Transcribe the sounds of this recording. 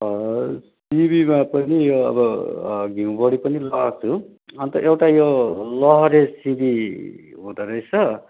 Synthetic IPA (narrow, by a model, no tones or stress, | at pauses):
s | ibimapʌnijoʌ̰bʌɡʱiũbʌɽipʌnilʌɦʌt͡sʰu | ʌnt̪ʌʔewʈajolʌɦʌɾesĩbiɦũd̪ʌɾʌjt͡sʰʌ